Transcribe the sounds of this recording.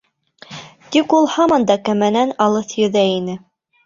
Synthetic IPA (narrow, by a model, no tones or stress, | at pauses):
t̪ikulˠhɑmɑnd̪ɑkæmænænɑlˠɤθjɵ̆ðæinɘ